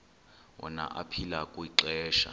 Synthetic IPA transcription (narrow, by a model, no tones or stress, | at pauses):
wɔ̰na̰ʔapʰilakʼuiǁɛːʃa̰